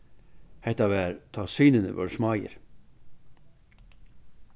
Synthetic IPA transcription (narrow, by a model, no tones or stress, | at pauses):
hɛt̪ɑʋæːɾt̪ʰɑsyːnənə̰ʋœ̰ɹsmɑjə̰ɾ